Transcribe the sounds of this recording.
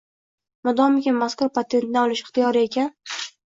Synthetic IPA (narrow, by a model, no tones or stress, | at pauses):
mʊd̪ɒmɪkʲɪnmaskʊɾpat̪ʰe̞nt̪̚nɪɒlˠɪʃɪχt̪ijɒɾɪekʲʰan